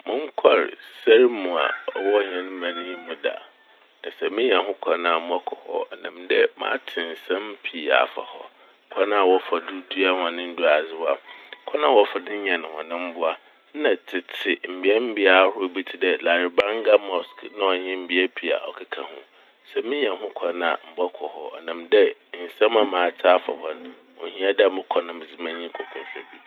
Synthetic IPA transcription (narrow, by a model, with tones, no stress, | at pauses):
mʊ̃˦ŋ̩˦kʰɔ˦˨ɾsa˦ɾmũ˨a̰˨ɔ˨wɔ˦ɲ˨ɛ̃˨ñ˦mã˨nĩ˦mʊ̃˨da̰˨ | nã˨sɛ˨mɪ̃˦ɲ˦a˨ɦʊ̃˦kʰa˨˦nã˦˨a˨mʊ̃˦ɔ˦kʰɔ˨hɔ̰˦˨nã˨mdɛ˦mã̰ː˦tʰɪ̃˨n̩˨sã˦m˦pʰi˨a̰˨fa̰˨hɔ̰˦ | kʰa˦nã˦a˨wɔ˦fa˨du˦du˦a˦hã˨nɪ̃˦n̩˦du˦a˨zɪ˦wa˦kʰɔ˦nã˦˨wɔ˦fa˨dɪ̃˦ɲɛ̃˨ñ˨hɔ̰̃˨nɪ̃˦m̩˦bʊ˦a˦ | nã˨tʰɪ˨tʰɪ˨m̩˨bi˨˦ɛ˦m̩˦bi˦a˨˦hʊ˦ʊ˦bi˦tʰi˦dɛ˦la˨ɾɪ˨bã˦ŋ˦ɡa˦mɔ˨sknã˦ɔ˨ɲɪ̃˦m̩˨bi˦ɛ˦pʰi˦a̰˨ʔɔ̰˨kʰa˦kʰã̰˨hʊ̰̃˦ | sɛ˨mɪ̃˦ɲɛ̃˨ɦʊ̃˦kʷʰa˨na˨m̩˨ba˦kʰɔ˨hɔ˨ɔ̰˨nã˨mdɛ˦˨n̩˨sã˦mã˦mãː˨˦tʰa˦fa̰˨hɔ˦n | wɔ̰˨hĩ˦a˦da˦˨mʊ̃˦kʷʰɔ˦nʊ̃˦m˨d͡zɪ˦mã˦ɲĩ˦kʰɔ˨kʰɔ̃˨fɛ˨bi˦